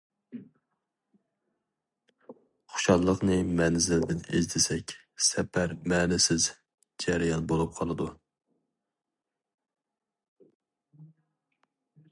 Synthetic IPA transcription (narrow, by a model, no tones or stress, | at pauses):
χʊ̥ʃɑlˠːəqnɨmɛnzɪld̪ɪnḛzt̪ʰɪsɛkʲ | sɛpʰæɾmɛːnɪsɪz | d͡ʒæɾɪjɑnbolˠup̚qʰɑlˠɨd̪u